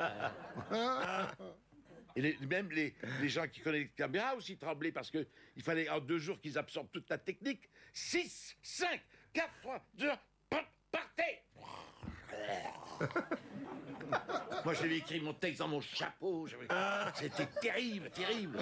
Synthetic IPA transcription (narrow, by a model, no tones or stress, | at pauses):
elemɛmleleʒɑ̃kʲi̥kɔnɛsəkameʁaosit̪χɑ̃blepaʁsə̥kəilfalɛɑ̃d̪øʒuʁkilzabsɔʁb̚t̪ut̪lat̪ɛk̚niksisːɛ̃kːat̪t̪χwad̪ø | pa | paʁt̪ɛ | mwaʒavɛekχimɔ̃t̪ɛks̬d̪ɑ̃mɔ̃ʃapoʒavɛset̪ɛt̪eʁiblt̪eʁibl